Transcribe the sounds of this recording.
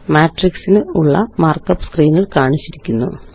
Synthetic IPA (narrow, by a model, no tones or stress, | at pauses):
maːʈriksinuɭːɐmaːrkːɐpːskriːniɭkaːɳit͡ɕːiɾikʲːunːṵ